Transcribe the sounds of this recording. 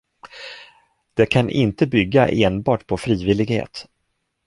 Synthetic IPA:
d̪̥ɛkʰanʔɪ̰nt̪əbʏɡːaʔeːnbɑːʈpʰɔfɾiːvɪlɪɡhḛːt̪

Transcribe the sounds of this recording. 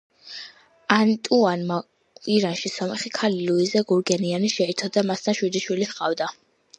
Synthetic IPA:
ant̪ʼuanma | iɾanʃisɔmɛχikʰaliluizɛɡuɾɡɛnianiʃɛit̪ʰɔd̪amast̪ʰanʃwid̪iʃwilihqʼa̰vd̪a

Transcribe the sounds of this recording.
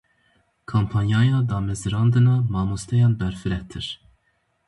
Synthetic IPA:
kʰompʰɑnjɑːjɑːd̪ɑːmɛzɨɾɑːnd̪ɨnɑːmɑːmust̪ɛjɑːnbɛɾfɨɾɛt̪ʰɨɾ

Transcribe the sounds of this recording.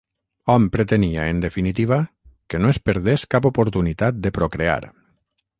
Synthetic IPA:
ɔmpɾet̪eniaend̪efinit̪iβ̞a | kenoespeɾðeskapopoɾt̪unit̪at̪̚d̪epɾokɾea̰ɾ

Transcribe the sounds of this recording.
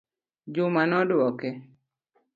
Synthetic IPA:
d͡ʒʊmanɔdwɔkɛ

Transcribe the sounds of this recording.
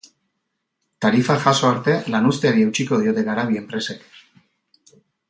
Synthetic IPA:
t̪aɾifaxasoaɾt̪e̞lanust̪eaβiewt͡ʃikoðiot̪e̞ɣaɾaβiempɾesek

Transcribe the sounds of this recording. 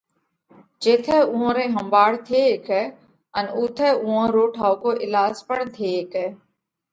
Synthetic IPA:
d͡ʒeːt̪ʰɛːʊ̃ɦõːɾẽːɦəmbaːɽt̪ʰeːkɛː | ənʊːt̪ʰɛːʊɦãːɾoːʈʰaːokoːʔɪlaːzpəɳt̪ʰeːkɛː

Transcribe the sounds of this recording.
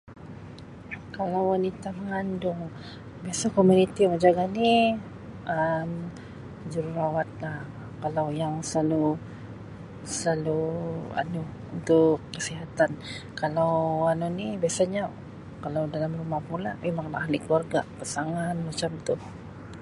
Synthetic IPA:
kalawwanit̪aməŋandʊŋ | biasakomunit̪ijaŋəd͡ʒaɡani | əm | d͡ʒuɾuɾawat̪̚lah | kalawjaŋsəlalu | səlalua̰nu | unt̪ʊkːəsiɦat̪ankalawanunibiasaɲa | kalawdalamrumahpula̰memaŋla̰ʔhalikəluarɡapasaŋanmat͡ʃamt̪ʊh

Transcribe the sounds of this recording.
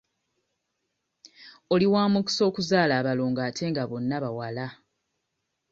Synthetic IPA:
o̞liwaːmuki̥so̞ːkuzaːlaːβaloːŋɡaːtʰe̞ːŋɡaβo̞nːaβawala

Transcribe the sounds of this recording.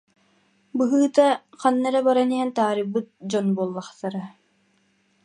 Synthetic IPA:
bɯɦɯːt̪a | qanːaɾabaɾaniɦɛnt̪aːɾɯbːɯt̪̚d͡ʑɔnbuɔlˠːaχt̪aɾa

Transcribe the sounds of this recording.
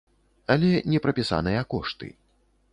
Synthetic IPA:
alʲɛnʲɛpɾɐpʲisa̰nɨjɐkɔʂt̪ɨ̰

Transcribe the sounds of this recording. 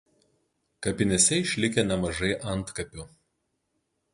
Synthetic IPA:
kɐpʲɪnʲɛsʲɛɪʃʲlʲɪkʲenʲɛmɐʒɐɪʔɐnˑt̪kɐpʲʊ

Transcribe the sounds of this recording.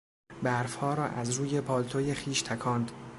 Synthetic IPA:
bæɾfhɒːɾɒːʔæzɾuːje̞pʰɒːlt̪ʰojexiːʃt̪ʰækʰɒːnd̪

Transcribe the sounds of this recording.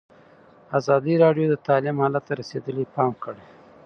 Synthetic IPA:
azɑd̪iɾɑɖjod̪ət̪ɑlɪmhɑlat̪ːaɾased̪əlepɑmkəɽe

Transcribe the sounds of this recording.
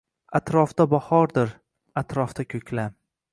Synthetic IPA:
at̪ɾɒfd̪abɒhɒɾd̪ɪɾ | at̪ɾɒft̪akʲʰɵkʲla

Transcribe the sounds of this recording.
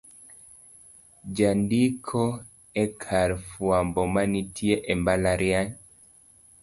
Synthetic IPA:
d͡ʒandikʰɔ | ɛkʰaɾfwambɔmanitʰieʔɛmbalaɾjaɲ

